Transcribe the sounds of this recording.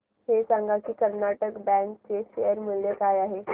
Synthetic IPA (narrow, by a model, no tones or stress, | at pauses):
hesãŋɡakiːkəɾnaʈəkbɛ̃ŋk̚t͡seʃejəɾmuljekajaɦe